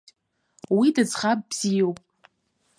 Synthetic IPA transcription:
widɨd͡zχab̚bz̥ijowpʼ

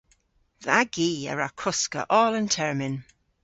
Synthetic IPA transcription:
ðaɡiːə̰ɹakʰʊskə̰ʔɔːləntʰɛɹmɪn

